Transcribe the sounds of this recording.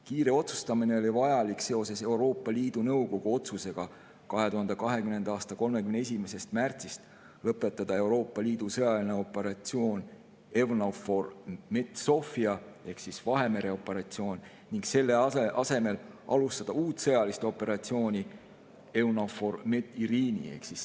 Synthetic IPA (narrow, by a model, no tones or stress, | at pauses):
kiːɾe̞o̞t̪su̥st̪ɑmine̞o̞lʲivɑjɑlikse̞o̞se̞se̞wɾo̞ːpːˑɑliːd̪̥unɤwko̞ɡ̥uo̞t̪suse̞ɡ̥ɑ | kɑɦe̞t̪uɦɑnd̪ekɑɦe̞kymnend̪̥ɑɑːst̪ɑko̞lme̞kymnee̞s̬ʲime̞se̞st̪mært̪sist̪ | lɤpːˑe̞t̪ːˑɑd̪̥ɑe̞wɾo̞ːpːˑɑliːd̪̥usɤjɑlineo̞pːˑe̞ɾɑt̪sio̞ːnʲ | e̞wnoformet̪so̞fiɑ | e̞hksisvɑɦe̞me̞ɾe̞o̞pːˑe̞ɾɑt̪sio̞ːnʲ | niŋkse̞lːe̞ʔɑse̞me̞lɑlust̪ɑd̪̥ɑuːt̪sɤ̞jɑlist̪o̞pːe̞ɾɑt̪sio̞ːnʲi | e̞wnofo̞rmeiɾiːnḭḛhksis